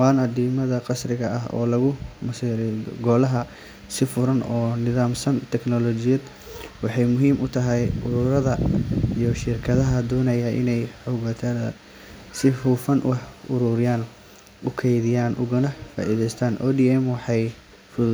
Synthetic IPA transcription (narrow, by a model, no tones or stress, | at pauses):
waːnɐd̪iːmɐðɐqɑsrɪɣɐɐɦɔ̰ːlɐɣʊmɐsiːɾɪ̰ɡɔːlɐɦɐ | sɪfʊɾɐnɔːnɪðaːmsɐnt̪ʰɛknɔlɔt͡ʃɪjɐd̪ | wɑħɑjmʊɦiːmʔʊt̪ʰɐɦɛjʊɾʊɾɐðɐijɔʃɪrkʰɐðɐɦɐd̪ɔːnɐjɐʔɪ̰nɛjħʊɣɐt̪ʰɐðɐ̰ | sɪuːfɐnʔħʊɾʊɾɪjaːn | ʊkʰɛjðɪjaːnʔʊɣʊnɐfa̰ːʔiːðɛjst̪ʰaːnʔɔːd̪iːɛmwɑħɑj | fʊ